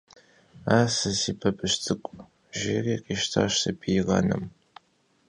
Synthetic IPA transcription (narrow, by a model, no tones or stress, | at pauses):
aːsɨsiːpʰɐbɨʃtʰɨkʷʼ | ʒiriːqʼiːʃtʰa̰ːʃsɐbʰiʁɐ̰nɨ̰m